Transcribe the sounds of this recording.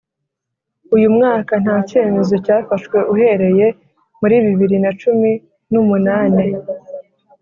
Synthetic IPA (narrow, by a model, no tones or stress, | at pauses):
ujumŋaːkan̥haːce̞ːme̞zo̞caːfaʃwe̞ʔuhe̞ɾe̞je̞ | muɾiːβiβiɾinat͡ʃumi | numunaːne